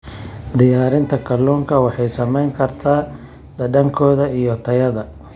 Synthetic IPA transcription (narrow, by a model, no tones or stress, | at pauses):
d̪ɪjaːɾɪnt̪ʰɐkʰɐluːŋkʰɐwɑħɑjsɐmɛjŋkʰɐrt̪ʰaː | d̪̥ɐɖɐŋkʰɔːðɐijɔt̪ʰɐjɐðɐ